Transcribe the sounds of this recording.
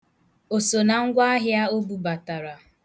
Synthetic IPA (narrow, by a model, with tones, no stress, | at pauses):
o˨so˨na˨ŋ̩˦ɡʷa˦a˦ɦja˦o˦bu˨ba˨ta˨ɾa˨